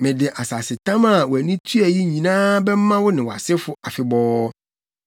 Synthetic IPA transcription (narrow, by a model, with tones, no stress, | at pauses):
mɪ̃˨dɪ˨ʔa˨sa˨sɪ˨t̪ʰã˦ma˨wɔ˨æ˨nĩ˦t̪ʰu˦æ˨ji˦ɲĩ˨nãː˦bɛ˦m˦mã˦wʊ˦nɪ̃˨wa̰˨sɪ˦fʊ˦a˨fɪ˨bɔː˦